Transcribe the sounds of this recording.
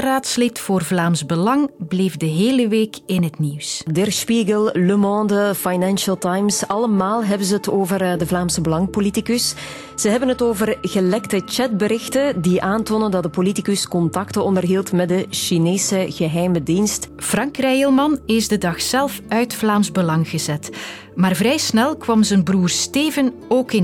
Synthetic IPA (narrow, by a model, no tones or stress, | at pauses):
raːtslɪtfoːrvlaːmzbəlɑŋblejfdəɦeːləʋeːkɪnɦətniwsdɛrspiɣəlˠləmɑ̃ːndəfajnɛnʃəlˠtajmsɑləmaːlˠɦɛbənzəətoːvərdəvlaːmsəbəlɑŋpolitikəs | z̥əɦɛbənətoːvərɣəlɛktət͡ʃɛt̚bəɾɪxtəndiʔaːntoːnəndɑt̚dəpolitikəskɔntɑktəɔndərɦiːlˠtmɛdəʃineːsəɣəɦɛjmədinstfrɑŋkrɛjəlˠmɑnɪzdədɑxsɛlˠfœɥtflaːmzbəlɑŋɣəzɛt | maːrvrɛjsnɛlˠkʋɑmzənbruːrsteːvən | oːkɪn